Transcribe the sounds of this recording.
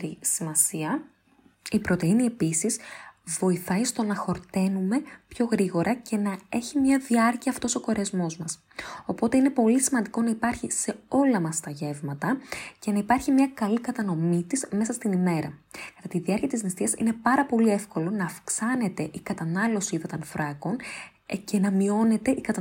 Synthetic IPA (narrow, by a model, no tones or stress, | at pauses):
ɾisimɐsiɐ | ipɾo̞t̪e̞inie̞pisisvo̞iθɐist̪o̞nɐxo̞ɾt̪e̞nume̞pço̞ɣɾiɣo̞ɾʔɐce̞nɐe̞çimɲɐðiɐɾciɐːft̪o̞so̞ko̞ɾezmo̞zmɐs | o̞po̞t̪e̞ine̞po̞lisimɐnd̪iko̞nɐipɐɾçise̞o̞lɐmɐst̪ɐʝe̞vmɐt̪ɐce̞nɐipɐɾçimɲɐkɐlikɐt̪ɐno̞mit̪isme̞sɐst̪inime̞ɾɐ̰kɐt̪ɐt̪iðiɐɾciɐt̪iznist̪iɐsḭne̞pɐɾɐpo̞lie̞fko̞lo̞nɐːfksɐne̞t̪e̞ʔikɐt̪ɐnɐlo̞siiðɐt̪ɐnfɾɐko̞n | ce̞nɐmio̞ne̞t̪e̞ʔikɐt̪